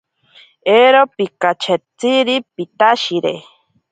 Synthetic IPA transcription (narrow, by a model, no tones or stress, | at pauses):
eɾopikat͡ʃʰet͡siɾipit̪aʃiɾḛ